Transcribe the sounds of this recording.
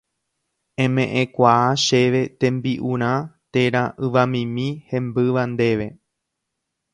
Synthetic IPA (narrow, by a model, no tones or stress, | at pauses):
ẽ̞mẽ̞ʔẽkʷaaʃe̞ʋe̞t̪ẽ̞mbiʔuɾ̃ãt̪eɾaʔɨʋamĩmĩhẽ̞mbɨʋand̪e̞ʋe̞